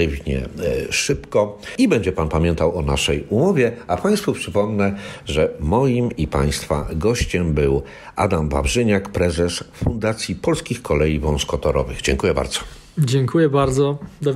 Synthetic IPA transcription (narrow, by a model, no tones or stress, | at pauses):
ɛvɲɛ̰ʂɘpkɔibɛɲd͡ʑɛpanpamʲjɛnt̪awɔnaʂɛjumɔvʲjɛapʰaj̃st̪fupʂɘpɔmnɛʐɛmɔjimipa̰j̃st̪fa̰ɡɔɕt͡ɕɛmbɘw | ʔad̪amva̰bʐɘɲakpɾɛzɛsfund̪at̪sʲjipɔlskʲixkʰɔlɛjivɔ̃nskɔt̪ɔɾɔ̰vɘ̰ɣd͡ʑɛŋkujɛba̰ɾd̪z̥ɔ̥ | d͡ʑɛŋkʰujɛbaɾd̪zɔd̪ɔ